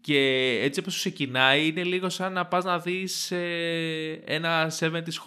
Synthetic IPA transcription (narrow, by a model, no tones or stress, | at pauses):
ce̞et͡sioposkse̞cinɐiine̞liɣo̞sɐnːɐpɐznɐðise | ḛnɐse̞vent̪isx